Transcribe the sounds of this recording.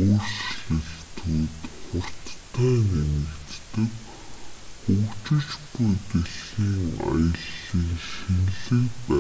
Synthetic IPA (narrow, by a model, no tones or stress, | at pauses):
oːrsɮɘ̆xt̪ʰuːt̪χʊr̥t̪ʰːæːnenɘ̆kt̪ːɘ̆k | xukt͡ɕɪ̆t͡ɕɡujɡeɮiːŋa̰jə̆ɮiːŋxenɮɘ̆kpæ